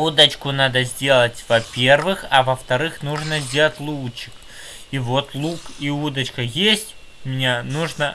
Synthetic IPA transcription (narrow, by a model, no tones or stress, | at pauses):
ud̪ɐt͡ʃkʊnad̪ɐzʲd͡zʲelˠət͡sʲvɐpʲervɨxɐvɐft̪aɾɨxnuʐnɐzʲd͡zʲelˠtʲlˠut͡ʃːi̥k | ivɔt̪lˠukiud̪ɐt͡ʃkɐjesʲt͡sʲ | mʲnʲenuʐnɐ